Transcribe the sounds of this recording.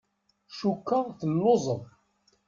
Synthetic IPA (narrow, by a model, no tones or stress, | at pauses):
ʃukːəθəlːozˤəðˤ